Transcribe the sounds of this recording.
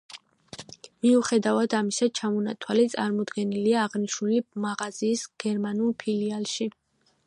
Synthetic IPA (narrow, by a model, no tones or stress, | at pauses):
miuχɛd̪avad̪amisat͡ʃʰamɔnat̪ʰwalit̪sʼaɾmɔd̪ɡɛniliaːʁniʃnulimaʁaziːsɡ̥ɛɾmanulˠpʰilialˠʃi